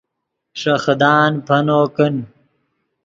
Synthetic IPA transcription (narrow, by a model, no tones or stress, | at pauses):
ʂɐxd̪aːnpʰɐnoːkən